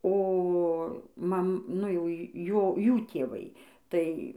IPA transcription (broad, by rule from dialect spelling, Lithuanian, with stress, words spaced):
oː ˈmɐm nʊ jɛʊ ˈjoː ˈjuː tʲeːˈʋɐɪ ˈtɐɪ